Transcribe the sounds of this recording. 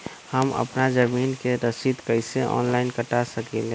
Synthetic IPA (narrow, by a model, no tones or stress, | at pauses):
həmə̰pnad͡ʒəmiːnkeɾəsit̪kəɪseʔɔ̰ːnlaɪnkəʈasəkele